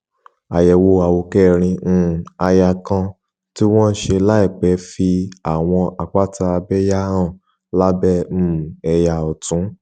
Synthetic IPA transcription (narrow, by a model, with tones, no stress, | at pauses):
a˨jɛ˨wo˧a˧˨wo˧kɛ˦˨ɾ̃ĩ˧˨a˧ja˧kã˧ | ti˦w̃ɔ̃˦n̩˦ʃe˧la˦i˦˨k͡pɛ˨˦fi˧a˦˨w̃ɔ̃˧ʔa˧k͡pa˦ta˧a˧bɛ˦ja˦ɾã˦˨ | la˦bɛ˦˨m̩˦˨ɛ˧ja˨ɔ˨tũ˨˦